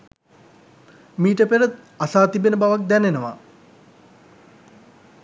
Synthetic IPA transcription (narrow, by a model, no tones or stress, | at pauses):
miːʈəpeɾət̪̚ | asaːt̪ibenəbaʋak̚d̪ɛnenəʋa̰